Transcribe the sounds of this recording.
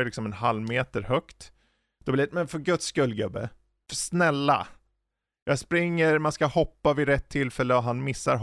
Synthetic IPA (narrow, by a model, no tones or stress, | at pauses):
lɪksɔmɛnɦalːmeːt̪əɾhœkt̪ | d̪̥ɔblɪmɛnfœɡɵt̪skɵlːɡɵbːə̰ | snɛlːa̰ | jɑspɾɪŋːəɾmanskahɔpːavɪɾɛt̪ʰːɪlːfɛlːəɔɦanmɪsːaɾɦ